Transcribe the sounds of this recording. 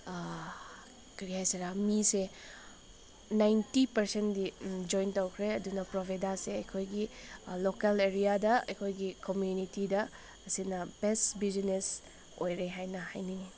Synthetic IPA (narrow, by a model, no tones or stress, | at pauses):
kɐɾiɦajseɾamise | najntipɐɾsendid͡ʒojntowkʰɾeɐdunɐpɾobʱedaseɐjkʰojɡilokeleɾijadɐɐ̰jkʰojɡikomjunitidɐː | sinɐbestbizines | ojɾeɦajnɐha̰jni